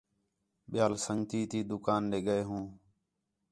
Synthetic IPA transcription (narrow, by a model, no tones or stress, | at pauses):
ɓɪjaːlsəŋɡt̪iːt̪iːd̪ʊkaːnɗeːɡəeːɦũː